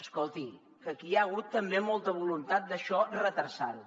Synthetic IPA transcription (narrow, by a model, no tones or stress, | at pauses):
əskolˠt̪i | kəkiaəɣut̪ːəmbemɔlˠt̪əβ̞ulunt̪at̪̚d̪əʃɔrət̪əɾsal